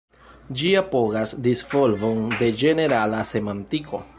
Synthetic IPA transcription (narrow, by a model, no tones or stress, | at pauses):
d͡ʒiapo̞ɡasdisvolvonde̞d͡ʒe̞ne̞ɾalase̞mantikʰo̞̰